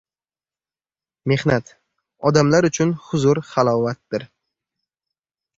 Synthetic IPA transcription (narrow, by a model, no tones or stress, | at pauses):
me̞hnat̪ | ɒd̪amlaɾʊt͡ʃʰʊnhʊzʊɾχalˠɒwat̪̚d̪ɪɾ